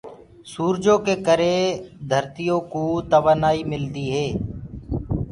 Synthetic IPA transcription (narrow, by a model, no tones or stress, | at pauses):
suːɾd͡ʒõːkeːkəɾeːd̪ʱəɾt̪ijõːkuːt̪əʋaːnaːiːmɪld̪iːɦeː